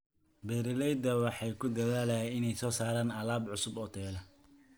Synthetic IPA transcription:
bɛːɾɪlɛjd̪ɐwɑħɑjkʰʊd̪ɐðaːlɛjaɪnɛjsɔːsaːɾaːnɐlaːbʕʊsʊbɔt̪ʰɛːlɐ

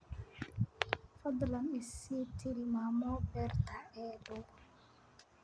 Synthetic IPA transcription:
fɐd̪lɐnɪsiːt̪ʰɪɾɪmaːmɔbɛrt̪ʰaɛːdɔ

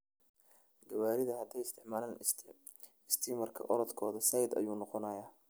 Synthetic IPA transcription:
ɡɐwaːɾɪðɐɦɐt̪ʰɛjɪst̪ʰɪħmaːlaːn | st̪ʰiːmɐrkʰɐ̰ʔɔɾɔd̪kʰɔːðɐsɐjd̪ɐ̰juːnɔqɔnɐjaː

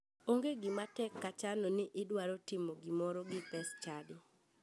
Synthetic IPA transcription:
oŋɡeɡɪmatɛkːat͡ʃalɔnɪʔɪdwaɾɔtɪmoɡimɔɾɔɡɪpɛst͡ʃadɔ

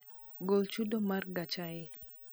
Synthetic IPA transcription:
ɡolt͡ʃudomarɡat͡ʃaje

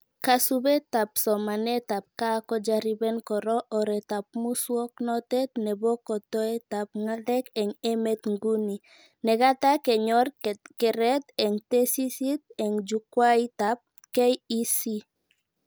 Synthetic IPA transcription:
kasubet̪ap̚sɔmanɛt̪ap̚kakɔd͡ʒaɾibɛnkɔɾɔʔɔɾɛt̪ap̚muswɔk̚nɔt̪ɛt̪nɛbɔkɔt̪ɔet̪ap̚ŋalɛkɛŋɛmɛt̪ŋɡuni | nɛɡat̪akɛɲɔɾkɛɾɛt̪ɛŋt̪esisit̪̚ɛŋd͡ʒukwajt̪ap̚ | kɛjisi

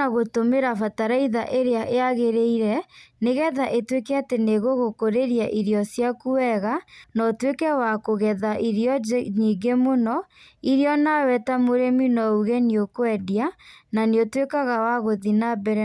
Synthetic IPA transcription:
aɣotomeɾafataɾaiðaʔeɾeaʔeaɣeɾeiɾɛneɣɛðaʔetwekɛateneɣoɣokoɾeɾjaʔiɾjɔsjakuɛɣanɔtwekɛwakoɣɛðaʔiɾiɔɲiɡemonɔ | iɾiɔnawɛtamoɾeminɔuɣɛniokoɛdiananeotwekaɣawaɣoðinabɛɾɛ

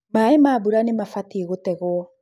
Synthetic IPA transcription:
maemabuɾanemafatieɣotɛɣoɔ

